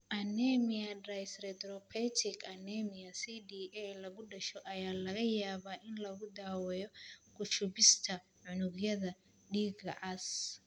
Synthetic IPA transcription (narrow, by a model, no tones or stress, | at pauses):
ʔɐnɛmɪɐdrajsrɛd̪ɾɔpʰɛt̪ʰɪkɐnɛmɪɐsidiʔɛlɐɣʊɖɐʃɔʔɐjaːlɐɣɐjaːβaːʔɪnlɐɣʊd̪aːwɛjɔkʰʊʃʊβɪst̪ʰɐ | ʕʊnʊɡjɐðɐ | ɖiːɡɐ̰ʔɐs